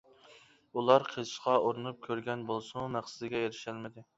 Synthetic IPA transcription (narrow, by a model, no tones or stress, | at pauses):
ulˠɑɾqʰezʃqɑoɾɨnup̚kʲʰøɾɡʲɛnbolˠsumæχsɪd̪ɪɡʲɛeɾɪʃælmɪd̪ɪ